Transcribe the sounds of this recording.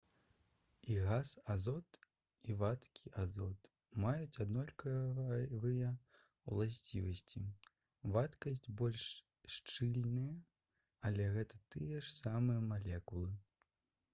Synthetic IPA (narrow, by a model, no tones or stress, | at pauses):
iɣasazɔt̪ | ivat̪kʲʰi̥ʔazɔt̪ | majut͡sʲad̪nɔlʲkɐvɨjɐ | w̰lˠasʲt͡sʲivɐsʲt͡sʲi | vat̪kɐsʲt͡sʲbɔlʲʂ | ʂt͡ʂɨlʲnɨjɐ | ɐlʲɛɣɛt̪ɐt̪ɨjɛʂsamɨjɐmalʲɛkulˠɨ